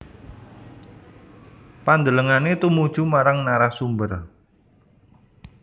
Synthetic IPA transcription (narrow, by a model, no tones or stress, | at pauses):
pand̪ələŋanet̪umud̥ʒ̥umaɾaŋnaɾasumbər